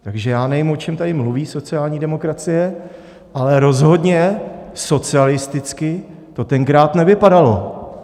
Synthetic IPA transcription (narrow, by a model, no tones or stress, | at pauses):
t̪aɡʒɛjaːnɛjɪmo̞t͡ʃɛmt̪adɪmluviːso̞t͡sɪjaːlɲiːdɛmo̞kɾat͡sɪjɛ | ʔalɛɾo̞zɦo̞dɲɛso̞t͡sɪalɪst̪ɪt͡skɪ | t̪o̞t̪ɛŋkɾaːt̪nɛvɪpadalo̞